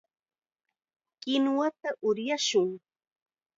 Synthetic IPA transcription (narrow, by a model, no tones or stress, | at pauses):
kɪnwat̪aʔʊɾjaʃʊŋ